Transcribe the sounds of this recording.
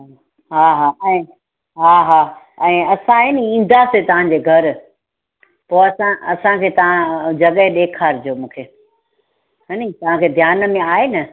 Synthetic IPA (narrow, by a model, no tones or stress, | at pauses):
ɦaːɦaːɛ̃ː | ɦaːɦaː | ɛ̃ːɐsãɦɪnĩːn̆d̪aset̪ɐʋ̤ãɲd͡ʑeːɡʱɐɾ | poːɐsãɐsãkʰeːt̪ɐʋ̤ãd͡ʑɐɠəɦɗeːkʰaːɾd͡ʑoːmũːkʰeː | ɦɐnĩt̪ɐʋ̤ãkʰeːd̪ʱjaːnə̆mẽaːɦenɐ